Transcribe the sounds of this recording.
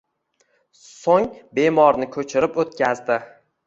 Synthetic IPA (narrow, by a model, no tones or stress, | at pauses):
soŋbe̞mɒɾnɪkʰɵt͡ʃʰɪɾɪpot̪̚kʲazd̪ɪ